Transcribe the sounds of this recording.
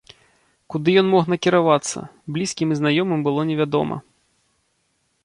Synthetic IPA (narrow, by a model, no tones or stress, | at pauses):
kud̪ɨjɔnmɔxnɐkʲiɾavat̪sːɐ̰blʲiskʲimiznajɔmɨmbɨlˠɔnʲɛvʲad̪ɔ̰mɐ̰